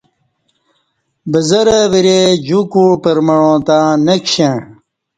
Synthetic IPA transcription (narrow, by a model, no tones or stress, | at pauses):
bəzɐɾəɐʋiɾed͡ʑukupəɾmɐɻõːt̪ãːnekɕe